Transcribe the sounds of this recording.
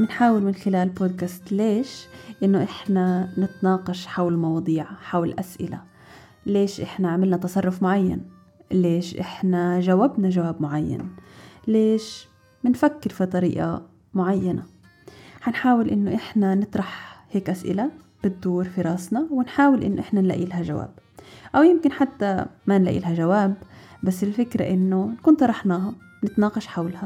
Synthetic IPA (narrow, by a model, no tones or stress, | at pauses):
mɪnħaːwɪlmɪnxɪlaːlboːd̪kaːst̪leːʃʔɪnːoʔɪħnanɪt̪nɑːqɑʃħawlɪlmɑwɑːd̪ˤiːʕħawllʔasʔɪ̰la̰ | leːʃʔɪħnaʕamɪlnat̪ɑsˤɑrˤːʊfmʊʕajːa̰n | leːʃʔɪ̰ħnaʒawabnaʒawaːbmʊʕajːa̰nleːʃ | mɪnfakːɪɾfit̪ˤɑɾḭːʔa̰ | mʊʕajːana | hanħaːwɪlʔɪnːoʔɪħnanɨt̪ˤɾˤɑħheːkʔasʔɪ̰la | b̥ɪd̪ːuːɾfiɾˤɑːsnɑwɪnħaːwɪlʔɪ̰nːoʔɪħnanla̰ʔḭːlɦaʒawa̰ːb̚ʔawjɪmkɪnħat̪ːamanla̰ʔḭːlɦaʒawaːbbasːɪlfɪkɾa̰ʔɪnːonkuːnt̪ˤɑɾˤɑħnɑːɦa | nɪt̪nɑːqɑʃħawlha